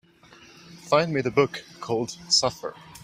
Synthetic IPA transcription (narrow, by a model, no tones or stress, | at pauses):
fãɪ̃ndmiðɨbʊkʰɔlˠd̥sʌfə̰˞